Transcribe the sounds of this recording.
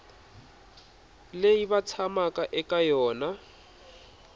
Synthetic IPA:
leibat͡sʰamakʼaʔɛkʼajɔːna

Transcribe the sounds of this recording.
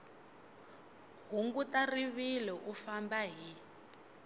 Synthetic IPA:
ɦuŋɡutariβilɛʔufambaɦi

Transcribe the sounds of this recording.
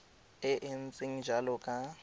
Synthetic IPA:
ɪʔɪn̩t͡sʼɪŋ̩d͡ʒalɔkʼa

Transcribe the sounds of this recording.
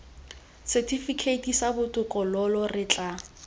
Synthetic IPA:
sɛtʰifikʰetʰisabʊtʼʊkʼɔlɔlɔrɪt͡ɬʼa

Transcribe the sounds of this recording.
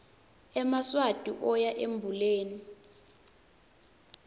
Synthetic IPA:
ɛmaswad̥ʱʼiʔɔjaʔembʱuleːni

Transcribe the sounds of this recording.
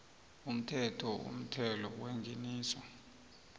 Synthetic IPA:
um̩tʰɛtʰɔṵm̩tʰɛlɔweŋɡʱeniːswɔ

